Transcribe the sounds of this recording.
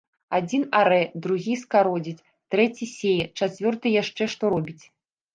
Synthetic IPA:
ad͡zʲinaɾɛd̪ɾuɣʲiskaɾɔd͡zʲit͡sʲ | t̪ɾɛt͡sʲisʲejɛt͡ʂat͡sʲvʲɔrt̪ɨjaʂt͡ʂɛʂt̪ɔɾɔbʲit͡sʲ

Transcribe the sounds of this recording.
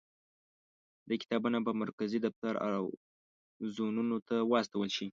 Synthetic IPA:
d̪əkɪ̥t̪ɑbunabamaɾkazid̪aft̪aɾa̰w | zonunot̪ʰawɑst̪awəlʃi

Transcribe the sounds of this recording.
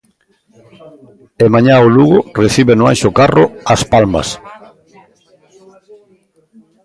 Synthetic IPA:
emaɲaoluɣʊreθiβenʊa̰nʃʊkarʊɐspalma̰s

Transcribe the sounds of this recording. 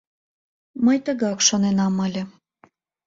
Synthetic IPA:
məjt̪əɣɑkʃonenɑməlʲĕ

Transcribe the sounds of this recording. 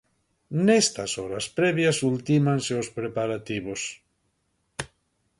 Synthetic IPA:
nest̪asɔɾaspɾeβjasult̪imanseospɾepaɾat̪iβ̞os

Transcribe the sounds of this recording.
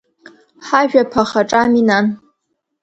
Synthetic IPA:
ħaʒᶣapʰaχaʈ͡ʂʼaminan

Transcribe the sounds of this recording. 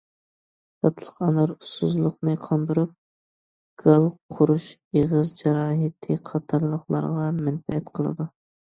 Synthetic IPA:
t̪ʰɑt̪ʰlˠə̥qɑnɑɾust̪uzlˠʊqnɨqʰɑnd̪ɨɾup̚ | ɡ̥ɑlˠqʰʊɾuʃeʁəzd͡ʒɛɾɑːɦɪt̪ʰɨqʰɑt̪ʰɑɾlˠəχlˠɑ̰ɾʁɑmɛnpɛɛt̪qʰəlˠɨ̰d̪u

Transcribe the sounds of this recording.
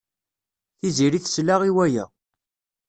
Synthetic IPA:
θiziɾiθslaʁiwæjæ̰

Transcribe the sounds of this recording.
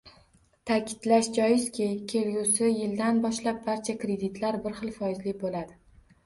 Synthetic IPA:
t̪ʰakʲʰɪ̥d̪̥laʃd͡ʒɒjɪskʲʰɪkʲʰe̞lɡusɪjɪld̪anbɒʃlap̚baɾt͡ʃʰakɾe̞d̪ɪt̪ʰlaɾbɪɾχɨlˠfɒjɪzlɪbolad̪ɪ

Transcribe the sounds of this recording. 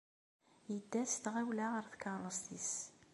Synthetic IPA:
jəd̪ːæst̪ʁæwlæʁəɾθkɑɾˤəst̪is

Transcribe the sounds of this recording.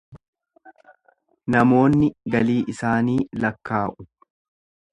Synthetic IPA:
nɐmo̞ːnːɪɡɐliːʔɪsaːniːlɐkːaːʔʊ

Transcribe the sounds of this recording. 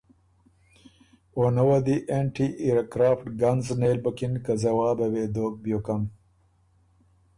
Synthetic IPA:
onɐwɐd̪iʔẽɳʈiʔiɾkɾaːfʈɡɐnzneːlbɐkinkɐzɐwaːbɐweːd̪oːk̚bjoːkɐn

